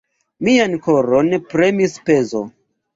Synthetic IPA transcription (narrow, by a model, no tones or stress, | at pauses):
miankoɾonpɾe̞mispe̞zo̰